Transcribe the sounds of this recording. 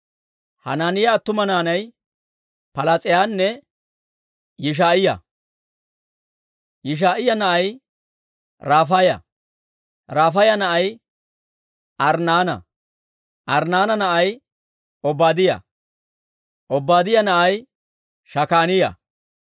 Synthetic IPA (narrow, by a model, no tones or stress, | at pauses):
hɐ̰naːnɪjɐːt̪ːʊmɐnaːnɐj | pɐlat͡sʼɪjaːnːɛ | jɪʃ̬aːʔɪjɐ̰ | jɪʃ̬aːʔɪjɐnɐʔɐj | ɾaːfɐjɐ̰ | ɾaːfɐjɐnɐʔɐj | ʔɐɾnaːnɐ̰ | ʔɐɾnaːnɐnɐʔɐj | ɔbːaːd̪ɪjɐ̰ | ʔɔbːaːd̪ɪjɐnɐʔɐj | ʃɐkaːnɪjɐ̰